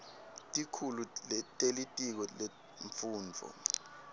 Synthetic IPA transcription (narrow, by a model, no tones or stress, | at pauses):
tʼikʰuluɛtʼelitʼik̬ɔle | ɱfuːnd͡vʱɔ̰